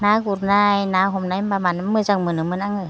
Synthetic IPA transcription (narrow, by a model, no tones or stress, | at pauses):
naːkuɾnajnaːɦʰomnajpamaːnmɯsaŋmɯnɯmɯnaŋɯ